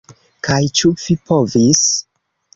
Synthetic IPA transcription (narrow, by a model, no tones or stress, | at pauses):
kajt͡ʃuvipovis